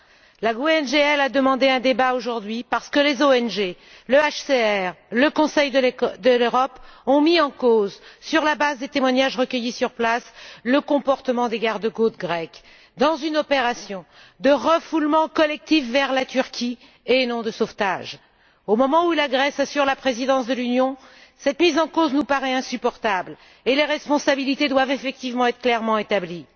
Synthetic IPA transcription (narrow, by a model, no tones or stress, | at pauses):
laɡoɛnʒeɛlad̪əmɑ̃d̪eɛ̃d̪ebaoʒuʁd̪ɥipaʁsə̥kəlezoɛnʒe | ləaʃseɛʁləkɔ̃sɛjd̪d̪əløʁɔpɔ̃miɑ̃kozsyʁlabazd̪et̪emwaɲaʒʁəkʲəjisyʁplasləkɔ̃pɔʁt̪əmɑ̃d̪eɡaʁd̪əɡot̪ɡʁɛk | d̪ɑ̃zynɔpeʁasjɔ̃ | d̪əʁəfulmɑ̃kɔlɛk̚t̪ifːɛʁlat̪yʁkʲi | enɔ̃d̪əsoft̪aʒ | omɔmɑ̃ulaɡʁɛsasyʁlapχezid̪ɑ̃sd̪əlynjɔ̃sɛt̪mizɑ̃koznupaʁɛɛ̃sypɔʁt̪abl | eleʁɛspɔ̃sabilit̪ed̪wavefɛk̚t̪ivmɑ̃ɛt̪χəklɛʁmɑ̃et̪abli